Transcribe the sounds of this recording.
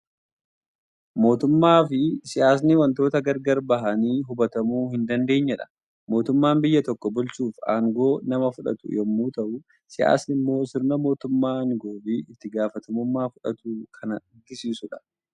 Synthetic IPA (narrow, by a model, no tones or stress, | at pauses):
mo̞ːt̪ʊmːaːfɪsɪjaːs̬nɪwɐnt̪o̞ːt̪ɐɡɐɾɡɐɾbɐɦɐniːɦʊbɐt̪ɐmuːhɪnd̪ɐnd̪e̞ːɲːɐᶑɐ̥ | mo̞ːt̪ʊmːaːmbɪjːɐt̪ɔkːɔbʊlt͡ʃuːfa̰ːŋɡo̞ːnɐmɐfʊᶑɐ̰t̪ʊ̰jɛmːuːt̪ɐʔʊ | sɪja̰ːsnɪmːo̞ːsɪɾnɐmo̞ːt̪ʊmːaːŋɡo̞ːfɪɪt̪ːɪɡaːfɐt̪ʰɐmʊmːaːfʊᶑɐ̰t̪uːkʰɐnɐᶑɪɡːɪsiːsʊᶑɐ̥